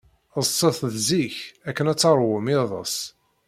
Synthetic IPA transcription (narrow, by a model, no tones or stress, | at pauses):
əzsːəθðziçækːənæt͡sːɑɾˤwəmiðˤə̰sˤ